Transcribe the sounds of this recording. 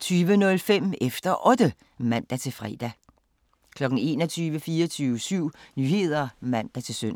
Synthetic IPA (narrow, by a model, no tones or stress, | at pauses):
t͡sʰyːʋənɔ̽lfem̰efd̥ɐʔɔ̽d̥ə | mæn̰d̥æt͡sʰe̝lfʁɛ̰ːd̥æ | kʰlɒ̽ɡ̥n̩e̝̰ːnɒt͡sʰyːʋəfiːɒt͡sʰyːʋəsyʊ̰nyːɦe̝ð̞̰ˠɐmæn̰d̥æt͡sʰe̝lsøn̰